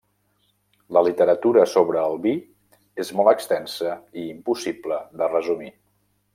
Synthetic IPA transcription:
ləlit̪əɾət̪uɾəsoβɾəːlˠβi | ezmɔlˠt̪əkst̪ɛnsəiːmpusibləðərəzumi

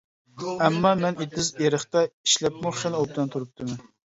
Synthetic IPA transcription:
ɛmːɑmɛnet̪ːɪzeɾəχt̪ɑi̥ʃlɛpmʊχʃɛnop̚t̪ɛnt̪ʰuɾup̚t̪ʰɨmɛn

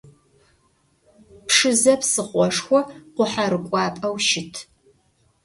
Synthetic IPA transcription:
pʰʂɨzɐpsɨχʷɔʂxʷɔqʷʊħarɨkʷʼɑːpʼɐwʃɪtʰ

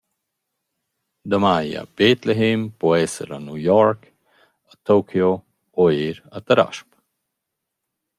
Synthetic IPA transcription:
d̪əmaja̰bet̪leɦempoɛsə̰ɾanujɔɾk | ət̪okʰjo | oeɾat̪əɾa̰ʃp

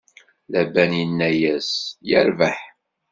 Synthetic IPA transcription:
læbænjinːæjæsjə̰ɾvaħ

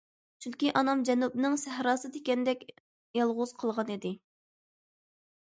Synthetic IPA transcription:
t͡ʃʰyŋkʲiʔɑnɑmd͡ʒɛnup̚nɨŋsɛhɾɑːsɨt̪ʰekʲɛnd̪ɛkʲ | jɑlˠʁʊz̥qʰəlˠʁɑnid̪ɪ

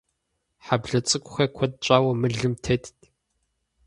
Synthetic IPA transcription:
ħabɮɐt͡sʼɨkʷʼʊxɐkʷʰɔt̚t͡ɕʼaːwɐmɨɮɨmtʰetʰtʰ

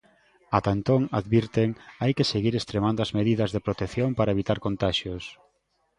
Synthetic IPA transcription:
at̪ant̪oŋaðβiɾt̪eŋajkeseɣiɾest̪ɾemand̪ʊazmeðiðɐzðepɾot̪eθjompaɾɐeβit̪aɾkont̪aʃjʊs

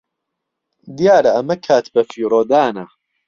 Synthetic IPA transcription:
d̪ijaːɾɐɐmɐkʰaːt̪bɐfiːɾoːd̪aːnɐ

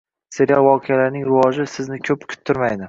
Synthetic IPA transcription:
seɾʲjavɒqʰejalaɾnɪŋɾɪwɒʒɪsɪznɪkʲʰɵpkʲʰʊ̥t̪ʰːʊɾmajd̪ɪ

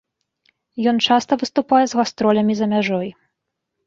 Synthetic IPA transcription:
jɔnt͡ʂast̪ɐvɨst̪upajɛzɣast̪ɾɔlʲɐmʲizɐmʲaʐɔj

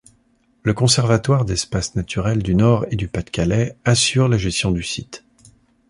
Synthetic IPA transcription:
ləkɔ̃sɛʁvat̪waʁd̪ɛspasnat̪ʰyʁɛld̪ynɔʁed̪ypat̪kʲalɛasyʁlaʒɛst̪jɔ̃d̪ysit̪

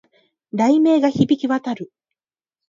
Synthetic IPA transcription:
ɾaime̞ːɡaçibʲikʲiβat̪aɾɯ̟

